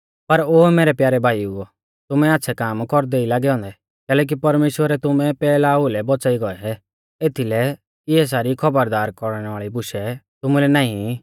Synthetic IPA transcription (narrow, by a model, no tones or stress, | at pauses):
pɐɾoːmeːɾɛpjaːɾɛbʱaːiuɔ | t̪ʊmɛaːtːʃʰɛkaːmkɔɾd̪eilaːɡɛɦɔ̃ːnd̪ɛ | kɛːlɛːk̬ipɐɾmeːʃwəɾɛt̪ʊmɛpɛːlaulɛbɔt͡saːiɡɔɛɛ | eːt̪ʰilɛ | ɪɛs̬aːɾikʰɐbəɾd̪aːɾkɔɾɽ̃ʋaːɭibʊʃɛt̪ʊmulɛnaːĩ